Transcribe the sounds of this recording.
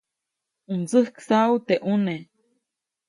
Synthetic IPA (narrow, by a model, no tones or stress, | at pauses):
ɨnd͡zɨhksawt̪eʔune